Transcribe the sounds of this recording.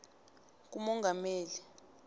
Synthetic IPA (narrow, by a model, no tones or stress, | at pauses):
k̬umɔŋɡʱameːli